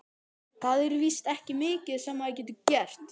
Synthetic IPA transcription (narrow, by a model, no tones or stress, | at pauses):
θaðɛɾvist̪ɛhcɪmɪːcɪðsɛmaðɪc̬ɛːt̪ʏcɛr̥t̪